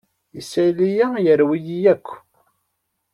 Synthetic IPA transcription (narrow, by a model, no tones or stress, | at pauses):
isælijæjəɾwijijækʷː